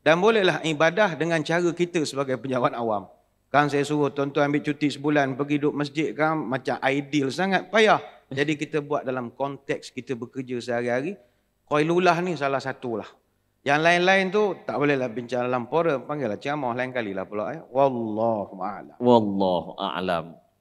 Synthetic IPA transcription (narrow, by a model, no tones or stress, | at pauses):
danbolɛhlaɦibadahdəŋant͡ʃaɾəkit̪əsəbaɡajpəɲd͡ʒawat̪̚awam | kaɾaŋsajasuɣʊt̪ɔnt̪uanbɪt͡ʃut̪isəbulanpəɡidʊp̚məs̬d͡ʒɪt̪̚kanːat͡ʃamʔajdilsaŋat̪̚pajah | d͡ʒadikit̪əbuat̪̚dalamkɔnt̪ɛk̚skit̪əbəkərd͡ʒəsəɦaɾiɦaɾi | koilulaɦnis̬alahsat̪ulah | jaŋlaɪnlaɪnt̪ut̪aʔbolɛhlahbiɲt͡ʃaŋdalampoɾəmpaŋɡalaht͡ʃamɔhlaɪnkalila̰hpəlaʔawalːɔhuʔa̰la̰mwalːɔhuʔa̰la̰m